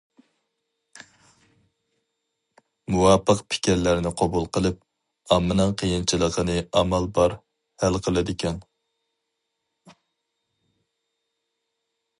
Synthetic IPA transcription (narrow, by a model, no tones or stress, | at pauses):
muwɑpəqpʰɪ̥kʲɛɾlæɾnɪqʰɑbulˠqəlˠɨp̚ | ɑmːɨnɨŋqʰəjint͡ʃʰilˠəqʰənɨɑmɛlbɑɾ | hælqʰəlˠɨd̪ɪkʲɛn